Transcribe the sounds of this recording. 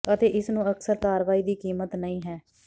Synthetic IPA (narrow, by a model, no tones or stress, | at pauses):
ət̪eːʔɪsnũːəksəɾkaːɾʋaːiːd̪iːkiːmət̪nəĩːɦɛː